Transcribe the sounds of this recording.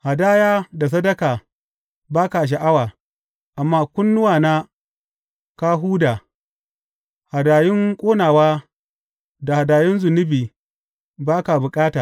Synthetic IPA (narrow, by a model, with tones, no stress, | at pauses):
ha˨daː˦jaː˦da˨s̬ɐ˦dɐ˦kaː˨ | baː˦ka˨ʃ̬a˨ʔa˦waː˨ | ʔa˨mːaː˦kʷʊ˦nːʊ˦waː˨naː˦ | ka˦ɦuː˦daː˨ | ha˨daː˨jɪ˦ŋkʷʼoː˦naː˨waː˦ | da˨ha˨daː˨jɪ˦nzʊ˨nʊ˦biː˨ | baː˦ka˨bʊ˨kʼaː˦taː˨